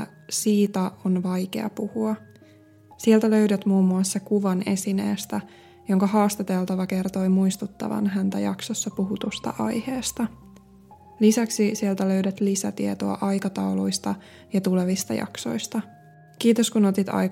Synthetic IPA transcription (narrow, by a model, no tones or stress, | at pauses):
siːt̪æonʋɑjke̞̰ɑ̰puhuɑ | sielt̪æløydæt̪muːmːuɑsːekuʋɑne̞sinḛːst̪æ | jo̞ŋkɑɦɑːst̪et̪e̞lt̪ɑʋɑke̞rt̪o̞jmuist̪ut̪ːɑ̰ʋɑ̰nɦænt̪æ̰jɑksosːɑpuɦut̪ost̪ɑ̰ʔɑ̰jheːst̪ɑ | lisæksisielt̪æløɥdæt̪lisæ̰t̪iet̪oɑ̰ʔɑjkɑt̪ɑwlujst̪ɑ | jɑt̪ule̞ʋist̪ɑ̰jɑ̰kso̞̰jst̪ɑ | kiːt̪oskunot̪it̪ɑ̰j